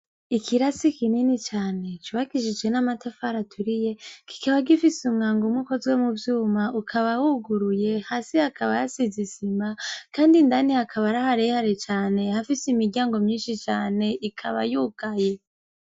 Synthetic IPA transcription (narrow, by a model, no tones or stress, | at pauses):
ikʰiɾasikininit͡ʃaːne̞t͡ʃuβaɡiʃid͡ʒwe̞namatefaɾatʰuɾije̞ki̥kaβaɡifisumŋaːŋɡumwuko̞zwe̞muvjuːmaukʰaβawuɡuɾuje̞haːsihakʰaβa̰jasizisimakaːndindanihakʰaβaɾahaɾehaɾet͡ʃaːne̞hafisimiɾɟjaːŋɡo̞mɲiːnʃit͡ʃaːne̞ʔikʰaβa̰juːkaje̞